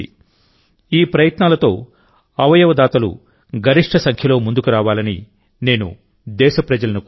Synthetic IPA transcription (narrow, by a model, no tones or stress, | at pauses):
iːpɾɐjɐt̪naːlɐt̪o̞ː | ɐʋɐjɐʋɐd̪aːt̪ɐlṵ | ɡʱɐɾiʂʈʰɐsɐŋkʰjɐlo̞ːmund̪ukuɾaːʋaːlɐnḭ | ne̞ːnṵ | d̪ɛːʃɐpɾɐd͡ʒɐlɐnuk